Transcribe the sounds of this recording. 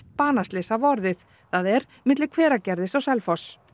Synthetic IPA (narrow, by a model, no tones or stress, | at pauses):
t̪̚paːnast̪lɪsavɔɾðɪθ | θaðɛɾ̥ | mɪt̪lɪɾkʰvɛːɾacɛɾðɪsawsɛlfɔs